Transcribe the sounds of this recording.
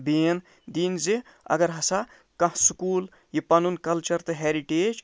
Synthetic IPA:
beːn | d̪iːnzi | ɐ̰ɡɐɾɦɐsa | kɐɦsukuːl | jipɐnunkɐlt͡ʃɐɾt̪ɨɦeːɾiʈeːd͡ʒ

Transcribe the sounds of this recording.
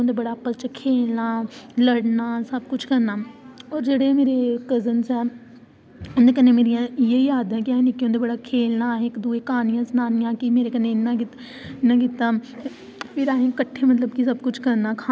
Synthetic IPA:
õːd̪eːbəɽaːpət͡ʃəkʰeːlnaːləɽnaːsəbkʊt͡ʃʰkəɾnaːɔːɾd͡ʒeːɽemeːɾeːkəzənsɛː | ond̪eːk̬ənːẽːmeːɾijãːjeiaːd̪ɦɛ̃ːkiaːɦẽnɪkːõːd̪eːbəɽaːkʰeːlnaːɪkd̪uːeːkaːnɪjãːsnaːnɪjãːkimeːɾeːkənːeːɪnːãːkɪ | ɪnːãːk̬ɪt̪ːaː | pʰɪɾaːɦẽːkəʈʰːeːmət̪ləbkisəbkʊt͡ʃʰkəɾnaːkʰaː

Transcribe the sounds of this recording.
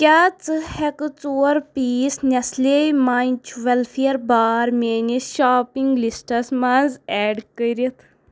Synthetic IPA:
kʲaːt͡sɨhɛkɨt͡soːɾpiːsnʲɐslemaːint͡ʃʰʋɛlfʰeɐɾbaːɾmʲeːniʃaːpiŋɡlisʈɐsmazɛːɖkəiɾɐt̪ʰ

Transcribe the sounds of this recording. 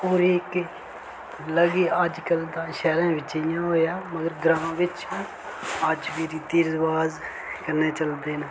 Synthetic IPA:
oːɾiːkɪ | ləɡiːəd͡ʒkəld̪ãːʃɛːɾãːʋɪt͡ʃɪjãːɦoːjaːməɡəɾɡɾãːʋɪt͡ʃː | əd͡ʒʋiːɾiːt̪iːɾʋaːz | kəɾneːt͡ʃəld̪eːnəː

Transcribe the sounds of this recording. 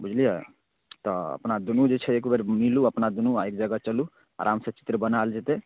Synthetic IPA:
bud͡ʒʱlija | t̪ɔə̰pnad̪unud͡ʒet͡ʃʰɛeːkbəɾmiluəpnad̪unuaek̚d͡ʒəɡət͡ʃəlu | a̰ɾʔamsət͡ʃi̥t̪ɾəbənald͡ʒet̪e

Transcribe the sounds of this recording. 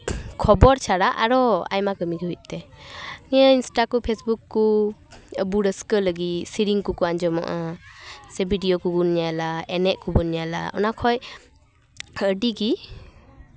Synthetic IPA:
kʰɔbɔɾt͡ʃʰaɾaʔa̰ɾɔa̰jmakəmiɡɦut̪̚ˀt̪ɛnijainsʈakupʰesbukːu | buɾəskələɡisiɾiŋkukuand͡ʒɔmɔ̰ʔa | sɛbʱiɖijɔkuɡunijalaɛnɛʔkubunjala̰ɔ̰nakʰɔj | əɖiɡi

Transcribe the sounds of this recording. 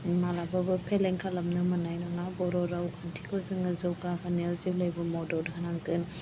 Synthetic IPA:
malababɯpʰeleŋkʰalamnɯmɯnajnɔŋabɔɾɔɾawkʰantʰikʰɔzɯŋɯzɯwkakʰaniaziblajbɯmɔdɔɾkʰanaŋkɯn

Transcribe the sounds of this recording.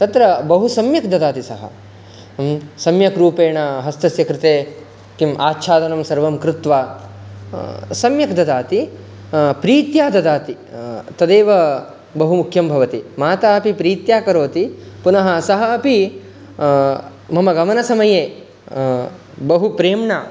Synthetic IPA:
t̪ɐt̪ɾɐbɐɦusɐmjɐk̚d̪ɐd̪aːt̪isɐɦɐ̰ | sɐmjɐkɾuːpeːɳɐɦɐst̪ɐsjɐkɾɪt̪eː | kimʔaːtːʃʰaːd̪ɐnɐmsɐɾʋɐmkɾɪt̪ʋaː | sɐmjɐkd̪ɐd̪aːt̪i | pɾiːt̪jaːd̪ɐd̪aːt̪i | t̪ɐd̪eːʋɐ | bɐɦumukʰjɐmbʱɐʋɐt̪imaːt̪aːɐpipɾiːt̪jaːkɐɾoːt̪ipunɐɦɐsɐɦɐɐpi | mɐmɐɡɐmɐnɐsɐmɐjeː | bɐɦupɾeːmɳa

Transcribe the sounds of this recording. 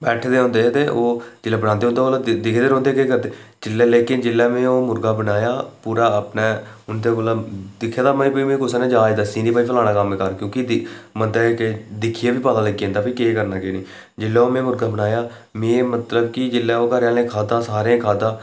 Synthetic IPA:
bɛːʈʰd̪eːɦõːnd̪eːt̪eːʔoːd͡ʒɪlːaːbənãːnd̪eːɦnd̪eːoːlad̪ɪkʰd̪eːɾɔ̃ːnd̪eːkeːkəɾd̪eː | d͡ʒɪlːɛːleːkɪnd͡ʒɪlːɛːmẽːoːmʊɾɡaːbənaːjaːpuːɾaːpneːʊnd̪eːkolad̪ɪkʰːjaːd̪aːməiːpimẽːkʊsaneːd͡ʒaːd̪aːsiːniːpaːiːpʰəlaːɽ̃aːkəmẽːkəɾkjõːkɪmənt̪aked̪ɪkʰieːbiːpaːd̪ãːləɡiẽnd̪aːpikeːkəɾnaːkeːniː | d͡ʒɪlːaːoːmẽːmʊɾɡaːbənaːjaː | mẽːmət̪ləb̚kɪd͡ʒɪlːɛːoːkəɾaːlẽːkʰaːd̪ãːsaːɾẽkʰaːd̪ãː

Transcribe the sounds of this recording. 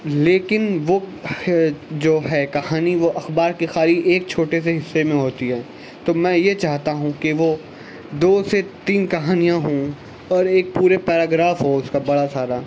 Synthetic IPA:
leːkɪnʋo | d͡ʒoːɦɛːkɐhaːniʋoʔɐxbaːɾkexaːɾiʔeːk̚t͡ʃʰoːʈes̬eɦɪsːemẽɦoːt̪iɦɛː | t̪oːmɛ̃ːjet͡ʃaːɦt̪aɦũkiʋo | d̪oːset̪iːnkɐɦaːnijãɦõ | ɔːɾeːk̚puːɾepɛːɾaːɡɾaːfɦoʊskabɐɽasaːɾa

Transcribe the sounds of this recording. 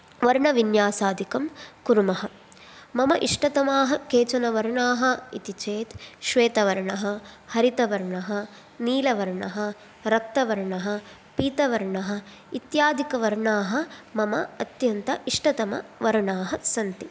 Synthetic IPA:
ʋɐɾɳɐʋinjaːsaːd̪ʱikɐmkuɾumɐɦɐ | mɐmɐʔiʂʈɐt̪ɐmaːɦɐkeːt͡ʃɐnɐʋɐɾɳaːɦɐ̆it̪it͡ʃeːt̪ʃʋeːt̪ɐʋɐɾɳɐɦɐ̆hɐɾit̪ɐʋɐɾɳɐɦɐ | niːlɐʋɐɾɳɐɦɐ | ɾɐk̚t̪ːɐʋɐɾɳɐɦɐ̆ | piːt̪ɐʋɐɾɳɐɦɐ̆ | it̪jaːd̪ʱikɐʋɐɾɳaːɦɐ̆mɐmɐɐt̪jɐnt̪ɐʔiʂʈɐt̪ɐmɐ̰ʋɐɾɳaːɦɐsɐnt̪i

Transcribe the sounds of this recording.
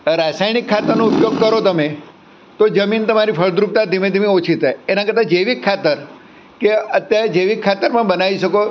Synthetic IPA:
ɾasajnikʰːat̪əɾnõupjoɡ̚kəɾot̪əme | t̪od͡ʒəmint̪əmaɾipʰəɭd̪ɾuk̚t̪ad̪ʱimẽd̪ʱimẽot͡ʃʰit̪ajenakəɾt̪ʰad͡ʒeʋikʰːat̪əɾ | keət̪jaɾed͡ʒeʋikʰːat̪əɾpə̃ɳbənaʋiʃəko

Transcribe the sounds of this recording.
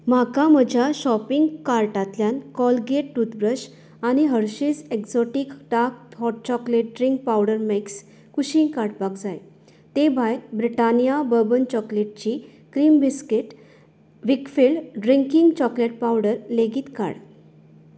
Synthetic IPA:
makaməd͡ʑʱjaɕɔpiŋɡkaɾʈat̪ljankɔlɡeʈ̚ːut̪bɾəɕ | añiɦəɾɕid͡zeksɔʈikʈak̚ɦɔʈ̚t͡ɕɔkleʈ̚ɖɾiŋk̚pawɽəɾmeks | kuɕĩŋkaɾʈ̚baɡd͡zaj | t̪ebʱajt̪bɾiʈanijabəbənt͡ɕɔkleʈ̚t͡ɕi | kɾiːmbiskeʈ | ʋikfilɖɖɾiŋkiŋɡt͡ɕɔkleʈ̚pawɖəɾleɡiːt̪ka̰ɽ

